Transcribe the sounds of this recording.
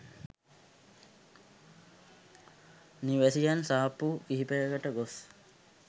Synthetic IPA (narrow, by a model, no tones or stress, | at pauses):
niʋæsijansaːpukiɦipejəɡəʈəɡos